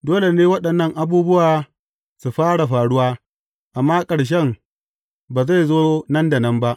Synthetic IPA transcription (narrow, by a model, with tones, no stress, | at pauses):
doː˦le˨neː˦wɐ˦ɗɐ˨nːɐ˦ŋʔa˨buː˦bʊ˦waː˨ | su˨ɸaː˦ɽa˨ɸaː˨ɽʊ˦waː˦ | ʔa˨mːaː˦kʼɐ˨ɽʃ̬ɛ˦m | baː˨za˦˨jzoː˦nɐ˦nda˨nɐ˦mba˦ʔ